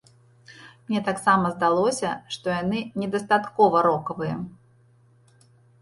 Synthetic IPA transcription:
mnʲɛt̪aksamɐzd̪alˠɔsʲɐʂt̪ɔjanɨnʲɛd̪ɐst̪at̪kɔvɐɾɔkɐvɨjɐ̰

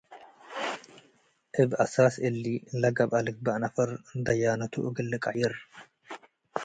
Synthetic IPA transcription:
ʔɪbɐsaːsɪlːiːlɐɡɐbɐlɪk̚bɐʔnɐfɐɾnd̪ɐjaːnɐt̪ʊ̰ʔʊɡɪlːɪkʼɐʔjɪr

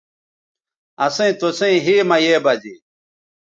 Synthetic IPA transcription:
ɐsẽt̪osẽĩɦiːmɐjeːbɐd͡ʑḭ

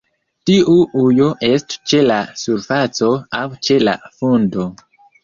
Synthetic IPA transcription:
tiʔuʔujo̞ʔe̞stt͡ʃe̞lasuɾfat͡so̞awt͡ʃe̞la̰fundo̞

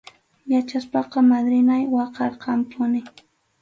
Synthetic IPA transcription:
jat͡ʃaspɑqɑmad̪ɾɪnajwɑqɑɾqɑmpʰʊnɪ

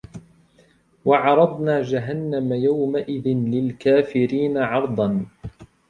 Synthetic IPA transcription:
wɑʕɑɾˤɑd̪ˤnaːd͡ʒaɦanːamajawmaʔɪðɪnlɪlkaːfɪɾiːnaʕɑɾˤd̪ˤɑn

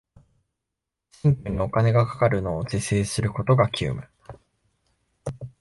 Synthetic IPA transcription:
ɕĩmpɯ̟ɲ̟io̞kane̞ɡakḁkaɾɯ̟no̞ːzese̞ːsɨɾɯ̟ko̞t̪o̞ɡakʲʰɨ̰ːmɯ̟

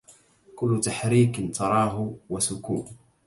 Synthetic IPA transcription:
kʊlːʊt̪aħɾiːkɪnt̪ɑɾˤɑːɦʊwasʊkuːn

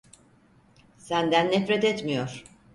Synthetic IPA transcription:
sænd̪ænːɛfɾet̪et̪mijoɾ̥

